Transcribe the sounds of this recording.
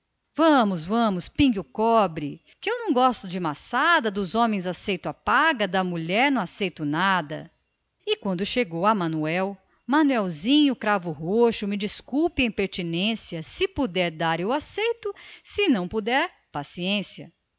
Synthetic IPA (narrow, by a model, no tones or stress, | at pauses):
vɐ̃mʊzvɐ̃mʊspĩɡʊkɔbɾɪ | kɪewnɐ̃w̃ɡɔst̪ʊd͡ʒɪmasad̪ɐd̪ʊzõmẽj̃zasejt̪ʊapaɡɐd̪ɐmuʎɛɾnɐ̃w̃asejt̪ʊnad̪ɐ̰ | ɪkwɐ̃nd̪ʊʃeɡowɐmɐ̃nuɛw | mɐ̃nuɛwzĩɲʊkɾavʊɦoʃʊmɪd͡ʒiskuwpɪɐ̃j̃peɾt͡ʃinẽsiɐsɪpud̪ɛɾd̪aɾʊasejt̪ʊsɪnɐ̃w̃pud̪ɛɾ | pasiẽsjɐ̰